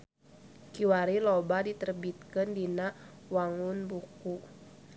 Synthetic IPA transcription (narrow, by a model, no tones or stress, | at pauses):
kiwaɾilɔbadit̪ərbit̪̚kəndinawaŋunbuku